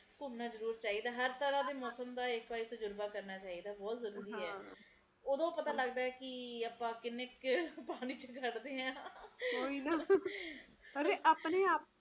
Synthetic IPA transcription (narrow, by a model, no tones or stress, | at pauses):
kʊmnaːzəɾuːɾt͡ʃaːiːd̪aːɦəɾt̪əɾãːd̪eːmɔːsəmd̪aːɪkbaːɾiːt̪əd͡ʒʊɾbaːkəɾnaːt͡ʃaːiːd̪aːbɔːt̪zəɾuːɾiːɦɛː | oːd̪õːpət̪aːləɡd̪aːɛːkɪaːpãːkɪnːekpaːniːt͡ʃəkəʈd̪eːɦãːɦoːina | əɾeʔaːpneːaːp̚